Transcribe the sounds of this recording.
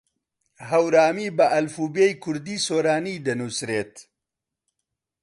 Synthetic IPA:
ɦɐwɾaːmiːbɐʔɐlfuːbejkʰʊɾd̪iːsoːɾaːniːd̪ɐnusɾeːt̪

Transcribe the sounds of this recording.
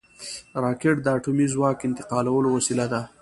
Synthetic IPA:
ɾɑkeʈ̚d̪əaʈumizwɑkɪnt̪ɪ̥qɑlawəlowasilad̪a

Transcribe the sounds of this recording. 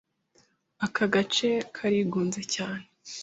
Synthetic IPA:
akʰaɡat͡ʃe̞kʰaɾiɡuːnzecaːne

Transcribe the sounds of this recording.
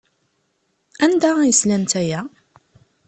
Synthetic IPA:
ænd̪æjəslænt̪æjæ

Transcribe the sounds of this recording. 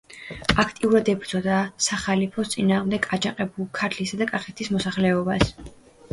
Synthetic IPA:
akʰt̪ʼiuɾad̪ɛbɾd̪z̥ʼɔd̪asaχalipʰɔst̪sʼinaːʁmd̪ɛɡʰad͡ʒaqʼɛbulˠkʰaɾt̪ʰlisad̪akʼaχɛt̪ʰismɔsaχlɛɔbas

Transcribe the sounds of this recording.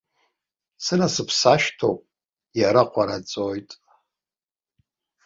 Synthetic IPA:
sɨɾasɨpʰsaʃtʰopʼ | jaɾaqʷʰaɾat͡sʼojtʼ

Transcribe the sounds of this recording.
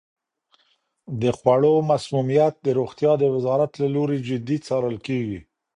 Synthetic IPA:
d̪əxwaɽomasmumijat̪̚d̪əɾoxt̪jɑd̪əwɪzɑɾat̪laloɾed͡ʒɪd̪it͡sɑɾəlkeɡi

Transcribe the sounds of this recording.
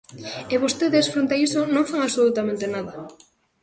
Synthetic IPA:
eβost̪eðesfɾont̪aisonõŋfaŋaβsolut̪amẽnt̪enaðɐ

